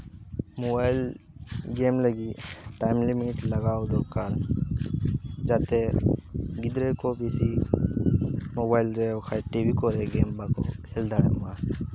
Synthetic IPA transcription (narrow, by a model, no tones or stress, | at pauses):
mobajlɡeːmləɡiʈajmlimiʈlɐɡaːod̪okaɾ | d͡ʒat̪e | ɡid̪ɾekobisi | mobaːjlɾekʰaʈibikɔɾeɡeːmbako̰kʰeld̪aɽema